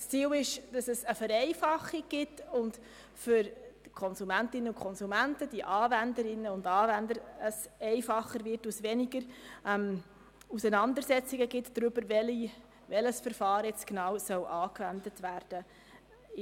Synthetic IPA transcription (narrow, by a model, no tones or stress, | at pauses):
st͡siːwɪʃd̥ɑsəsəfəɾɛɪfɑχiɡ̚ɡ̥ɪtʊnd | fʏɾkʰɔnsumæntɪnːəʊnkʰɔnsumæntəd̥iəʔɑːvændəɾɪnːəʊndɑːvændəɾəsɛɪfɑχːəɾvɪrtusʋɛniɡəɾɛm | usənɑndəsɛt͡siɡəɡɪtd̥ɾʏb̥əɾvɛli | ʋɛləsfəɾfɑːɾjɛt͡sknɑːwsœwʔɑːkvændətvæːɾd̥ə